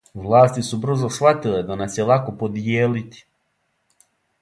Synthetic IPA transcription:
ʋlˠaːst̪isubr̩zosxʋat̪iled̪anasjelˠako̞pod̪jeːlit̪i̥

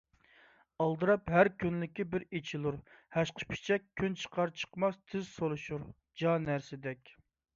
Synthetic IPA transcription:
ɑlˠd̪ɨɾɑpɦæɾkʲʰynlɪkʲibɪɾet͡ʃʰilˠuɾhɛʃqʰə̥pʰi̥t͡ʃʰɛk̚ʲʰːynt͡ʃʰə̥qʰɑɾt͡ʃʰə̥qmɑst̪ʰɪzsolˠuʃuɾ | d͡ʒɑnæɾsɪd̪ɛkʲ

